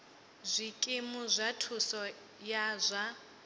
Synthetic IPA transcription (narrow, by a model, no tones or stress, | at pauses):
zʷikʼemuzʷatʰusɔ | jazʷa